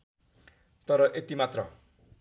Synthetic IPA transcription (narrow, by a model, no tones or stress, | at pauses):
t̪ʌɾʌʔet̪imat̪rʌ